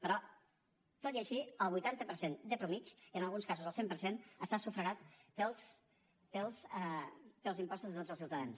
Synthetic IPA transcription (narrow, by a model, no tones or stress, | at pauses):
pəɾɔ | t̪ot̪iəʃiəlˠβujt̪ant̪əpəɾsend̪əpɾumit͡ʃiənəlˠɣunskazuzəlˠsempəɾsenəst̪asufɾəɣat̪pəlˠs | pəlˠs | pəlˠzimpɔst̪uzðət̪od͡zəlˠsiwt̪əðans